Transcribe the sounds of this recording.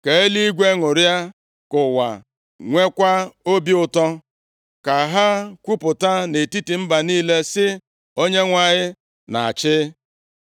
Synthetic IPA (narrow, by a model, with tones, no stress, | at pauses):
ke˨e˦li˦i˦ɡʷe˦ŋʊ˨ɾja˦ | kʊ˨wa̰˨ | ŋʷe˦kʷa˦o˦bi˦ʊ˨tɔ˦ | ka˨ɦa˦kʷu˦pʊ˨ta˦ne˨ti˦ti˨m̩˦ba˨niː˦le˦sɪ˦ | o˦ɲe˦ŋʷa˨ɲɪ˦ | na̰˨a˨t͡ʃɪ˦